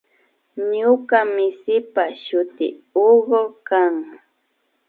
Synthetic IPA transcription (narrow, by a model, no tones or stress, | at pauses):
ɲʊkamɪsɪpaʃʊt̪ɪ̰oɢokaŋ